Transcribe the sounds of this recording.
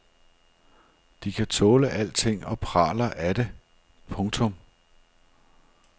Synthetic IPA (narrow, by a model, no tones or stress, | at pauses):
d̥ikʰæt͡sʰɔːləʔæl̰t͡sʰe̝ŋ̰ɒ̽pʰʁɑ̰̈ːlɐʔæd̥e̝ | pʰɔ̽ŋt͡sʰɔ̽m